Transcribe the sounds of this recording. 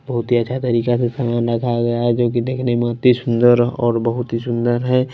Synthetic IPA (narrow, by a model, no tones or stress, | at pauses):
bəɦʊt̪ɦiətːʃʰat̪əɾiːkasesaːmaːnɾəkʰaɡɐjaɦɛd͡ʒoːkid̪eːkʰnemẽt̪ːisʊnd̪əɾɔ̰ːɾbəɦʊt̪ɦisʊ̃nd̪əɾɦɛ̃ː